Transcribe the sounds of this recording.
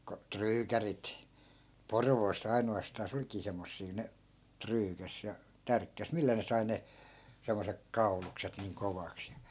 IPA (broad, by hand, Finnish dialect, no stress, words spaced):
ko tryːkærit porʋoːsː ɑinoɑstɑːs olkiː semːosːiː ne tryːkæs jɑ tærkːæs milːæ ne sɑi ne semːosek kɑu̞lukset niːŋ koʋɑks jɑ